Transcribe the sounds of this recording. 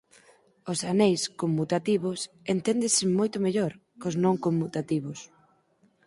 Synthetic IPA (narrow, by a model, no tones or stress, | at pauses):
osanejskomːut̪at̪iβʊs | ent̪end̪ɪsɪmojt̪ʊmeʎoɾ | koznõŋkomːut̪at̪iβʊs